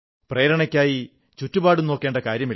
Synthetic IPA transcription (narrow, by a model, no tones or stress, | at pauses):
preːɾɐɳɐkʲːaːji | t͡ɕutːubaːɽuno̞ːkːe̞ːɳɖɐkaːɾjɐmi